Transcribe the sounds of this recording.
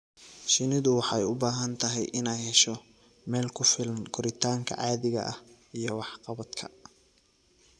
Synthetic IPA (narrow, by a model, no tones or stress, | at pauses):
ʃɪnɪðʊwɑħɑɛjʊbaːɦɐnt̪ʰɐɦɛjʔɪnɛjhɛʃɔ | mɛːlkʰʊfɪlɐnkʰʊɾɪt̪ʰaːŋkʰɐ̰ʕɑːðɪɣɐ̰ʔɐh | ijɞwɑħqɑβɐd̪kʰɐ̰